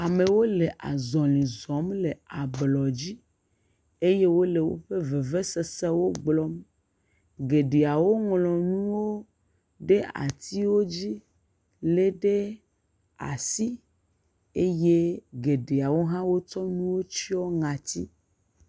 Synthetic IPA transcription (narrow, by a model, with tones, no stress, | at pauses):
a˨me˨wo˦le˨ʔa˨zɔ˨lĩ˨zɔ˨˦mle˨a˨blɔ˨d͡ʑi˦ | e˦je˦wo˦le˨wo̰˦ɸe˦ve˨ve˦se˨se˦wo˦ɡ͡blɔ˦m | ɡe˨ɖe˨a˨wo˦ŋlɔ̃˨nũ˦wo˦ | ɖe˦a̰˨t̪i˦wo˦d͡ʑi˦ | le˦ɖe˦ | a̰˨si˦ | e˦je˦ɡe˨ɖe˨a˨wo˦ɦã˦wo˦t͡ʃɔ˦nũ˦wo˦t͡ɕi˦ɔ˦ŋã˨t̪ḭ˦